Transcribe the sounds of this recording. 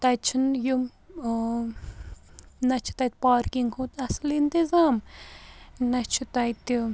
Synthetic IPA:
t̪ɐt͡ʃʰunjum | nɐt͡ʃʰu̥t̪ɐt̪̚paːɾkiŋɡhʰut̪ɐslint̪izaːm | nɐt͡ʃʰut̪ɐjt̪i

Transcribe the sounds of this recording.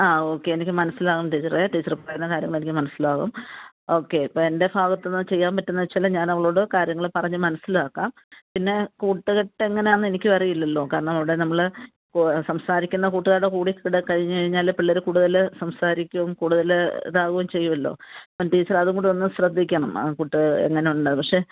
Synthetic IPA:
aːo̞ːkːe̞ːnikʲːɨmɐnɐsilaːɣumʈiːt͡ɕːɐreʈiːt͡ɕːɐrpɐrɐjunːɐkaːɾjɐŋɐɭe̞nikʲːɨmɐnɐsːilaːɣṵm | o̞ːkːe̞ipːoe̞ndebʱaːɣɐt̪ːenːɨt͡ɕe̞jːaːmpɐtːunːɐʋɐt͡ɕːalːɐɲaːnɐʋɐɭo̞ːɽɨkaːɾjɐŋːɐɭɨpɐrɐɲːɨmɐnɐsːilaːkːaːm | pinːe̞kuːʈːɨɣeʈːeŋːɐneaːnːɨenikʲːɨʋɐrijilːɐlːo̞ːkaːɾɐɳɐmiʋiɽe̞nɐmːɐɭ | ksɐmsaːɾikʲːunːɐkuːʈːuðaːɽekuːɽikːkiɽekɐɻiɲːɨkɐɻiɲːaːlpiɭːɐɾukuːɽuðɐlsɐmsaːɾikʲːuʋumkuːɽuðɐl̰ðaːɣuʋumt͡ɕe̞jːumɐlːo̞̰ːpːɐnʈiːt͡ɕːɐrɐðuŋɡuɳɖuonːɨɕrɐd̪ʱːikʲːɐɳɐm̰kuːʈːɨḛŋːɐne̞uɳɳɖɐðɨpɐkʂe̞

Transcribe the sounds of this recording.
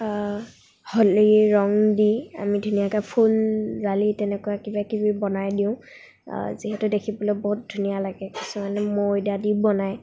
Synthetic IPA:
holiɹɔŋdia̰midʱunijakapʰulɹalitɛnɛkʊakibakibibɔnajdiʊ̰̃ | ziɦɛtʊdekʰibɔlɔbɔɦut̚dʱunijalaɡɛkisumanɛmojdadibɔnaj

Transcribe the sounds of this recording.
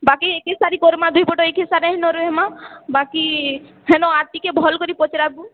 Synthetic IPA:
bakiekesaɾikɔɾmãd̪ʱuipɔʈoekesaɾẽɦenoɾoɦemabaki | ɦenoat̪ikebʱɔlkɔɾipɔt͡ʃɾabu

